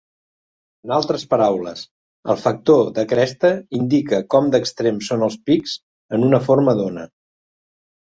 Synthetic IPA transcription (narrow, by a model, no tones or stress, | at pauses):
ənalˠt̪ɾəspəɾawlə̰s | ə̰lˠfək̚t̪oðəkɾɛst̪əind̪ikəkɔmd̪əkst̪ɾemsonəlˠspikz̥ | ənunəfoɾməðonə̰